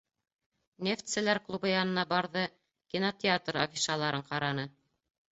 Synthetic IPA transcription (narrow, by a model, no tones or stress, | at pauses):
nʲeft̪sɘ̆læɾklˠubɤjɑnɤ̆nɑbɑɾðɤ | kʲinot̪ʲɪat̪ro̰fʲisɑlˠɑɾɤɴqɑɾɑnɤ